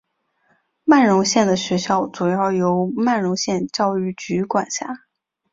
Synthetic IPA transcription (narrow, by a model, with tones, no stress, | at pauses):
ma˥˩nɻʊ˧˥ŋɕjɛ˥˩nd̪ə˩ɕɥɛ˧˥ɕjɑ˥˩ʊt͡su˨˩jɑ˥˩ʊjo˧˥ʊma˥˩nɻʊ˧˥ŋɕjɛ˥˧nt͡ɕjɑ˥˧ʊy˥˩t͡ɕy˧˥kwa˨˩nɕja̰˥˩